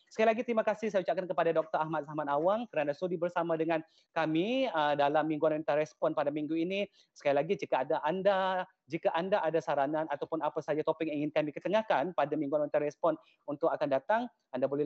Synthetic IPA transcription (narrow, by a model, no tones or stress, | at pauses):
səkailaɡit̪əɾimakasɪhsajaut͡ʃaʔkankəpadadɔk̚t̪əɾaɦmat̪̚samanawaŋkəɾanasodibərsamadəŋan | kamiədalamːiŋɡuanont̪aɾɛspɔnpadamiŋɡuini | sə̥kailaɡid͡ʒikaadaʔanda | d͡ʒikaʔandaʔadasaɾananat̪awpʊnapasad͡ʒat̪opɪkiŋɪnkamikət̪əŋahkanpadamiŋɡuanont̪aɾɛspɔn | unt̪ʊkakandat̪aŋ | andabolɛ